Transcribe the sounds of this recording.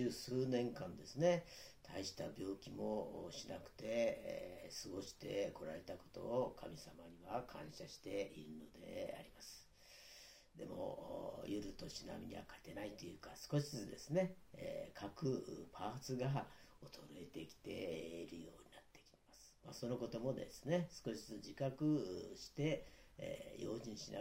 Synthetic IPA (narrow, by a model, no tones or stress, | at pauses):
ɨːsɨːnẽ̞ŋkãnd̪esɨne̞t̪ʰaiɕi̥t̪abʲjo̞ːkʲimo̞ɕinakɯ̥t̪e̞ | sɨɡo̞ɕi̥t̪e̞ko̞ɾaɾe̞t̪ako̞̥t̪o̞̰ːkʰamʲisamaɲ̟iβakʰãɰ̃ɕaɕi̥t̪e̞iɾɯ̟no̞d̪e̞̰a̰ɾʲimasɨ̥ | d̪e̞̰mo̞̰jɯɾɯ̟t̪o̞ɕina̰mʲḭɲ̟ḭβa̰kḁt̪e̞nait̪ojɯ̟ːkasɨ̥ko̞ɕi̥ɨt͡sɨd̪e̞sɨne̞ḛkʰakɯ̟pʰaːt͡sɨɡaot̪o̞ɾoe̞t̪e̞kʲi̥t̪e̞iɾɯ̟jo̞ːɲ̟inat̪ːe̞̥kʲi̥tmasɨ̥ma̰so̞no̞ko̞t̪o̞mo̞d̪e̞̰sɨne̞sɨ̥ko̞ɕi̥t͡sɨt͡sɨd͡ʑikakɯ̟ɕi̥t̪e̞̰ | jo̞̰ːʑĩɰ̃ɕina̰